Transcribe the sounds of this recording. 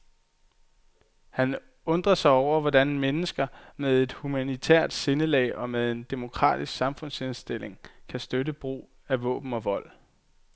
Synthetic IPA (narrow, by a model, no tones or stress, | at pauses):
hæn | ɔ̽nd̥ʁɐsɑ̈ɪɒʊ̰ɐʋɒd̥ænmenəsɡ̥ɐmeð̞ˠe̝d̥humænit͡sʰæ̰ɐ̰d̥se̝nəlɛ̰ːɪʔɒ̽með̞ˠe̝nd̥e̝mo̝kʰʁɑ̰̈ːd̥isɡ̥sɑ̈mfɔ̽n̰she̝nsd̥e̝l̰e̝ŋkʰæsd̥ødəb̥ʁṵː | æʋɔ̰̽ːb̥n̩ɒ̽ʋɒ̽l̰